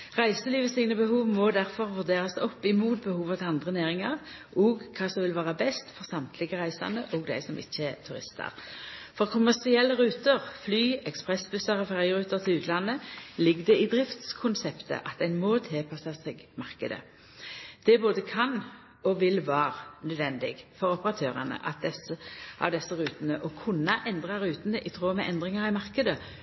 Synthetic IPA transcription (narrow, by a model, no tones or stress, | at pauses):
ʁæɪsəliːʋəst̪ɪŋnəbəhuːʋmɔd̪æʁfɔʁʋʉʁd̪eːʁɑsɔpːɪmuːt̪̚bəhuːʋɑt̪ʰɛɑnd̪ʁənæːʁɪŋɑʁ | oːɡkʰɑːsɔmʋɪlʋɑːʁəbɛst̪fɔʁsɑmt̪ʰlɪɡəʁæɪsɑ̰nəʔoːɡd̪æ̰ɪsɔmʔɪ̰çːəɛt̪ʰʉʁɪ̰st̪ɑ̰ʁfɔʁkʰʊmæʁsɪɛlːəʁʉːt̪əʁflyːɛkspʁɛsbʉsɑʁɔfæʁɪʁʉːt̪əʁt̪ʰɪlʉːt̪ʰlɑnəlɪɡd̪ɛiːd̪ʁɪft̪skʰʊnsɛpt̪ə̰ʔɑt̪̚d̪æɪnmoːt̪ʰɛlpʰɑsɑsɛɡmɑʁkəd̪ə̰ | d̪̥ɛboːd̪əkʰɑn | ɔʋɪlʋɑːʁnœd̪ʋɛnd̪ɪɡfɔʁɔpəʁɑt̪ʰøːʁənə̰ʔɑt̪̚d̪ɛsəɑ̰d̪ɛsːəʁʉːt̪nəʔɔkʰʉnːɑʔɛnd̪ʁɑʁʉːt̪ən̩əʔit̪ʰʁoːmɛʔɛnd̪ʁɪŋɑʁɪmɑʁkəd̪ə